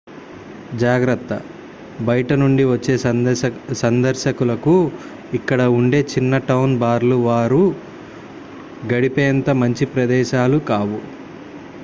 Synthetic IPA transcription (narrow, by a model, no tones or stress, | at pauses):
d͡ʒaːɡɾɐt̪ːɐ | bɐjʈɐnuɳɖiʋɐt͡ʃːe̞ː | sɐnd̪ɐɾʃɐkulɐku | ikːɐɽɐuɳɖe̞ːt͡ʃinːɐʈɐwnbaːɾluʋaːɾu | ɡɐɽipeːnt̪ɐmɐɲt͡ʃipɾɐd̪ɛːʃaːlukaːʋu